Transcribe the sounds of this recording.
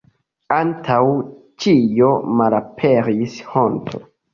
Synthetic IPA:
antʰawt͡ʃijomalapʰeɾisho̞ntʰo̰

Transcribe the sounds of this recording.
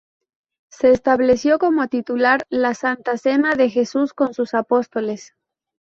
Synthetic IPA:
se̞ːst̪aβle̞sjo̞ko̞mo̞t̪it̪ulaɾlasant̪ase̞naðe̞xe̞susko̞nsusapo̞st̪o̞le̞s

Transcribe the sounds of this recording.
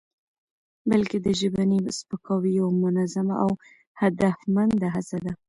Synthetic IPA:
bəlked̪əʒəbanispəkʰɑwijawamʊnazamaʔaw | had̪afmand̪aɦasad̪a

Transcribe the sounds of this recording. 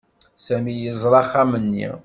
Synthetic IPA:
sæmijəzˤɾˤɑχamənːḭ

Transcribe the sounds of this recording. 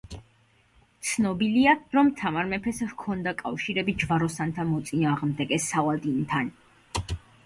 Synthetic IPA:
t̪sʰnɔbiliaɾɔmt̪ʰamaɾmɛpʰɛsvkʰɔnd̪akʼafʃiɾɛbid͡ʒvaɾɔsant̪ʰamɔt̪sʼinaːʁmd̪ɛɡʼɛsavalˠd̪int̪ʰan

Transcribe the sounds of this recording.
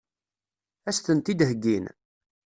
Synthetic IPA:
æst̪ənt̪id̪həɡːin

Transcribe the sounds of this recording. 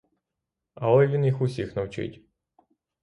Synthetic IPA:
ɐɔlʲʋʲinixʊsʲixnɐwt͡ʃɪ̰tʲ

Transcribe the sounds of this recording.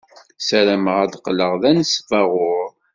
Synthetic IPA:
sæɾæməʁæd̪qləʁðænəsfɑʁʊɾ

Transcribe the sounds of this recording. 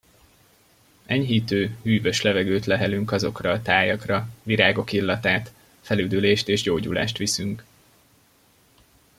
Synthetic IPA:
ɛɲɦiːt̪øːhyːvø̞ʃlɛvɛɡøːt̪lɛɦɛlyŋkɒzo̞krɒːt̪aːjɒkrɒviɾaːɡo̞kilːɒt̪aːt̪ | fɛlyːd̪yleːʃt̪eːʒɟoːɟṵla̰ːʃt̪ʋisyŋk

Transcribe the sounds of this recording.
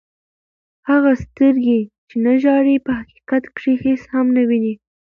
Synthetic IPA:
haɣast̪əɾɡet͡ʃenaʒɑɾipəhaqi̥qat̪kʂiheshamnawini

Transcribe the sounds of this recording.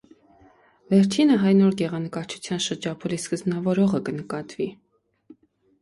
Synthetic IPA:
vɛɾt͡ʃʰinəɦɑjnɔɾɡɛʁɑnəkɑɾt͡ʃʰu̥t͡sʰjɑnʃəɾd͡ʒɑpʰuliskəznɑvɔɾɔʁəkənəkɑt̪vi

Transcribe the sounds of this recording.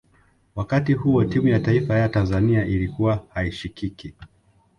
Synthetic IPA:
wakatihuɔtimujataifajatanzaniaʔilikuwahaiʃikiki

